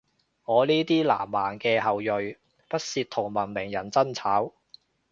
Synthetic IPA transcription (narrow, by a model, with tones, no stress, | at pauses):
ŋɔː˨˧niː˥t̪iː˥la̰ː˨˩mːaː˨˩nkɛː˧ɦɐ˨wjɵ˨ɥ | pɐ˥t̚siː˧t̚t̪ʰʊ˨˩ŋmɐ˨˩nmɪ˨˩ŋjɐ˨˩nt͡sɐ˥nt͡sʰaː˨˥w